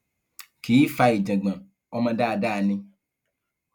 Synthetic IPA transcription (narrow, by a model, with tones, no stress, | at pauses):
ki˨˦i˦fa˦i˨d͡ʒɛ̃˨ɡ͡bɛ̃˨ | ɔ˦mɛ̃˨ɖa˦˨ɖa˦˨nĩ˦